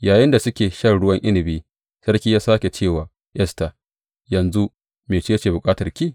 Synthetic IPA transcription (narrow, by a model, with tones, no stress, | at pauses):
jaː˨jɪ˦nda˨sʊ˦kʲeː˨ʃɐ˦rɽʊ˦wɐ˦ŋʔɪ˦nɪ˨biː˦ | sɐ˦rkʲiː˦jaː˦saː˦kʲe˨t͡ʃeː˦˨waː˨ | ʔɛ˦sta˨ | jɐ˨nzu˦ | meː˨t͡ʃe˦t͡ʃeː˨bʊ˨kʼaː˦tɐ˨rkʲiː˦˨